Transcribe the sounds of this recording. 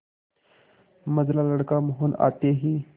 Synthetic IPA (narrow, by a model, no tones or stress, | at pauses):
məd͡zlaləɽkaməɦuna̰t̪eɦiː